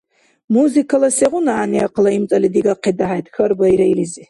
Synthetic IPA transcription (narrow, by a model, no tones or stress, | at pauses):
muzikʰalɐseʁʊnaːniaqʰlaimt͡sʼɐlid̪iɡaqʰid̪aɦajt̪ʰʼxɐrbɐiɾajlizi